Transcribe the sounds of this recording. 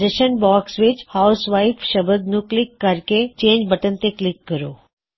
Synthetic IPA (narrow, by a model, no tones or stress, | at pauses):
d͡ʒəʃənbaːksʋɪt͡ʃhaʊsʋaːɪfʃəbəd̪nũklɪkːəɾket͡ʃẽːɲd͡ʒbəʈənt̪eklɪkːəɾoː